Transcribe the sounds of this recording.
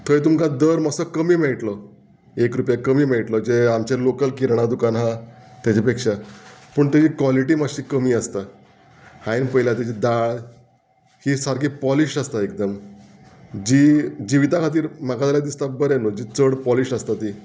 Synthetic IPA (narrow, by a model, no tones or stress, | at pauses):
t̪ʰoet̪umkad̪əɾməsəkəmiːmɛɭʈlɔ | ekɾupjakəmiːmɛʈlɔd͡ʑeamt͡ɕalokəlkiɾɳ̃ad̪ukanɦãt̪jat͡ɕapekʂapəɳt̪ad͡ʑikʋaliʈimaɕiːkəmiːəst̪a | hãinpəjlat̪ed͡ʑid̪aɭ | hisaɾɡiːpɔliɕəst̪aekd̪əm | d͡ʑiːd͡ʑiʋit̪akʰat̪̬iːɾm̤aɡad̪aljad̪ist̪abəɾɛlod͡ʑiːt͡səɽpɔliɕəst̪at̪i